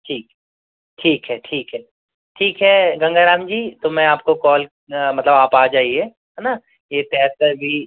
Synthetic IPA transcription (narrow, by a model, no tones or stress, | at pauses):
ʈʰiːk | ʈʰiːkɦɛʈʰiːkɦɛː | ʈʰiːkɦɛɡɐ̃ŋɡaːɾaːmd͡ʒiːt̪omɛ̃aːp̚kokɔːl | mɐt̪ləbaːpaːd͡ʒaːie | ɦɛna | jet̪ɛːt̪əɾbʱi